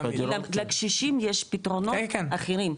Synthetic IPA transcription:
alakʃiʃimjeʃpitʁononaχeʁim

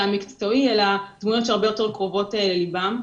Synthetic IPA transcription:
amikt͡so̞ielad̥mujott͡ʃeaʁbejote̞ʁkʁovo̞telelibam

